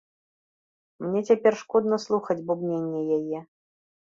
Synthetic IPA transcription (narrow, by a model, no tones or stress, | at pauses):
mnʲɛt͡sʲapʲɛrʂkɔd̪nɐslˠuxɐd͡zʲbubnʲenʲːɛjajɛ